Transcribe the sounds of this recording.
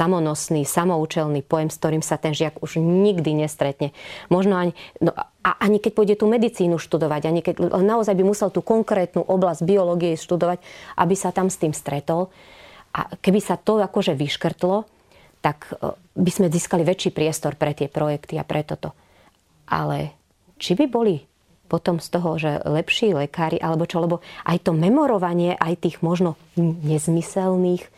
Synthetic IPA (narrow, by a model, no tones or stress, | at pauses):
samɔnɔsniːsamɔuːt͡ʃɛlnipɔjɛmsk̚t̪ɔɾiːmsat̪ɛnʒɪaɡuʒɲiɡd̪iɲɛst̪ɾɛt̪ɲɛmɔʒnɔaɲinɔ | a̰ʔaɲikɛɟ̚bɔɟɛt̪uːmɛd̪it͡siːnuʃt̪ud̪ɔʋaɟaɲikɛɛnaɔzajbimusɛlt̪uːkɔŋkɾɛːt̪nuːʔɔblazɟ̚biɔlɔːɡijɛʃt̪ud̪ɔʋaɟʔa̰bisat̪amst̪iːmst̪ɾɛt̪ɔl | ʔa̰kɛbisat̪ɔakɔʒɛʋiʃkr̩t̪lɔ | t̪ak | bizmɛziːskaliʋɛt͡ʃːiːpɾɪɛst̪ɔɾpɾɛt̪ɪɛpɾɔjɛkt̪ia̰pɾʔɛt̪ɔt̪ɔ | ʔa̰lɛ | t͡ʃibibɔli | pɔt̪ɔmst̪ɔɦɔʒɛ̰lɛpʃiːlɛkaːɾiʔalɛbɔt͡ʃɔlɛbɔʔa̰jt̪ɔmɛmɔɾɔʋaɲɪɛʔajt̪iːɣmɔʒnɔ | ɲɛzmisɛlniːx